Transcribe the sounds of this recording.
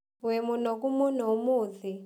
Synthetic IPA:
wemunok̬umunoumuːzi

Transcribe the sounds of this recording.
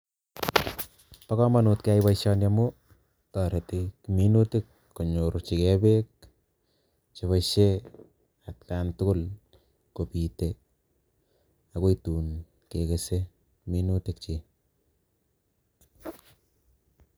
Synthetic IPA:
pakɔmanutkajβaʃɔnjamʊ | tɔɾetekiminutɪkːoɲoɾt͡ʃikɛbek̚ | t͡ʃeβaʃe | at̚kaːntʊkʊl | kopite | akoituːn | kekese | kiminutɪk̚t͡ʃi

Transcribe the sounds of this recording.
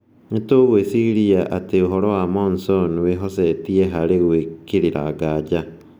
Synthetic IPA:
etoɣwesiɣiɾiaʔateoɦɔɾɔwamɔnsɔnweɦɔsɛtiɛɦaɾeɣwekeɾiɾa̰ɡad͡ʒa

